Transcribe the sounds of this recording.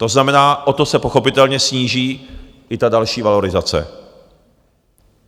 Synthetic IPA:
t̪o̞znamɛnaːʔo̞t̪o̞sɛpo̞xo̞pɪt̪ɛlɲɛsɲiːʒiː | ʔɪt̪adalʃiːvalo̞ɾɪzat͡sɛ̰

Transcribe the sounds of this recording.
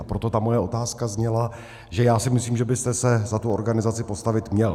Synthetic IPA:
ʔapɾot̪o̞t̪amo̞jɛʔo̞t̪aːskazɲɛla | ʒɛjaːsɪmɪsliːmʒɛbɪst̪ɛsɛzat̪uo̞ɾɡanɪzat͡sɪpo̞st̪avɪt̪mɲɛl

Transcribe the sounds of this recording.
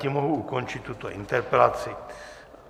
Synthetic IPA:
imoɦuʔuko̞nt͡ʃɪt̪ːut̪oʔɪnt̪ɛɾpɛlat͡sɪ

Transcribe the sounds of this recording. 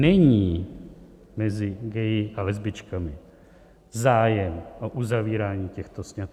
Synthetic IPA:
nɛɲiː | mɛzɪɡɛjɪʔalɛzbɪt͡ʃkamɪ | zaːjɛmʔoʔuzaviːɾaːɲiːcɛxt̪osɲat̪

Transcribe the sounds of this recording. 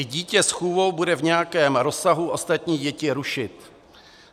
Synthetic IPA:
ɪɟiːcɛsxuːvo̞wbudɛvɲɛjakɛːmɾo̞saɦuʔost̪at̪ɲiːɟɛcɪɾuʃɪt̪

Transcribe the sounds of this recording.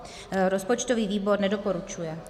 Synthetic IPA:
ɾɔspɔt͡ʃt̪ɔʋiːʋiːbɔɾɲɛd̪ɔpɔɾut͡ʃujɛ

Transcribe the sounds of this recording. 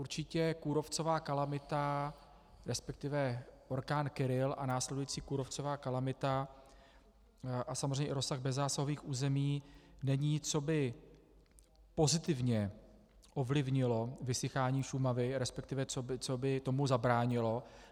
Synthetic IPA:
ʔuɾt͡ʃɪcɛkuːɾo̞ft͡so̞vaːkalamɪt̪a | ɾɛspɛk̚t̪ɪvɛʔo̞ɾkaːnkɪɾɪlʔanaːslɛdujit͡siːkuːɾo̞ft͡so̞vaːkalamɪt̪a | ʔasamozeɛjɲɛɪɾo̞sːaɣbɛzːaːsaɦoviːxʔuːzɛmiːnɛɲit͡so̞bɪ | po̞zɪt̪ɪvɲɛ | ʔo̞vlɪvɲɪlo̞vɪsɪxaːɲiːʃumavɪɾɛspɛk̚t̪ɪvɛt͡sobɪt͡sobɪt̪o̞muzabɾaːɲɪlo̞

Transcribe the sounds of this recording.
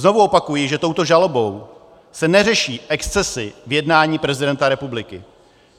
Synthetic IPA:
zno̞vuo̞pakujɪʒɛt̪o̞wt̪o̞ʒalobo̞w | sɛnɛrɛʃiːʔɛkst͡sɛsɪvjɛdnaːɲiːpɾɛzɪdɛnt̪aɾɛpublɪkɪ

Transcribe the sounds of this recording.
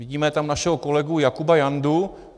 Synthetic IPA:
viɟiːmɛt̪amnaʃɛɦoko̞lɛɡujakubajandu

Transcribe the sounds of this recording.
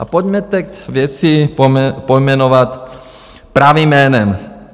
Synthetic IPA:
ʔa̰pɔɟmɛt̪ɛkt̪ʋjɛt͡si | pɔjmɛnɔʋat̪ | pɾaʋimːɛːnɛm

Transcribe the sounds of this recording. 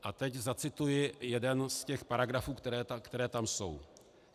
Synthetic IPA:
ʔat̪ɛczat͡sɪt̪ujɪjɛdɛnscɛxpaɾaɡɾafuːkt̪ɛɾɛːakt̪ɛɾɛːt̪amso̞̰w

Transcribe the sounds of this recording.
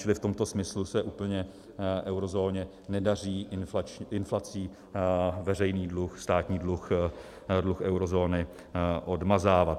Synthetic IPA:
t͡ʃɪlɪft̪o̞mt̪o̞smɪslusɛʔuːpl̩ɲɛ | ʔɛwɾo̞zo̞ːɲɛ | nɛdar̝iːnft͡ʃɪnflat͡siː | vɛr̝ɛjniːdluxst̪aːt̪ɲiːdlux | dluxɛwɾo̞zo̞ːnɪ | ʔodmazaːvat̪

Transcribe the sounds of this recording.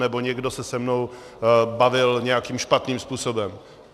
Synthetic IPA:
nɛbo̞ɲɛɡdo̞sɛsɛmno̞w | bavɪlɲɛjakiːmʃpat̪niːmspuːso̞bɛm

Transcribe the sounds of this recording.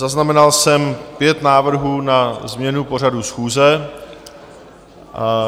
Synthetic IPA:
zaznamɛnalsɛmpjɛt̪naːvr̩ɦuːnazmɲɛnupo̞r̝adusxuːzɛ

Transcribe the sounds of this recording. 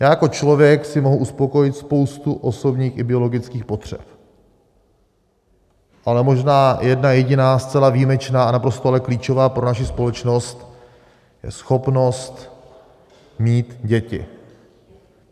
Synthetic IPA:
jaːjako̞t͡ʃlo̞vjɛksɪmo̞ɦuʔuspo̞ko̞jɪt̪spo̞wst̪uʔo̞so̞bɲiːxɪbɪo̞lo̞ɡɪt͡skiːxpo̞t̪r̝̥ɛ̰p | ʔalɛmo̞ʒnaːjɛdnajɛɟɪnaːst͡sɛlaviːmɛt͡ʃnaːanapɾo̞st̪oalɛkliːt͡ʃo̞vaːpɾo̞naʃ̬ɪspo̞lɛt͡ʃno̞st̪ | jɛ̰sxo̞pno̞st̪ | miːt̪ɟɛcɪ̰

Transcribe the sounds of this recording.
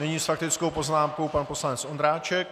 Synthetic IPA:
nɛɲiːsfak̚t̪ɪt͡skowpo̞znaːmkowpanpo̞slanɛt͡sʔo̞ndɾaːt͡ʃɛk

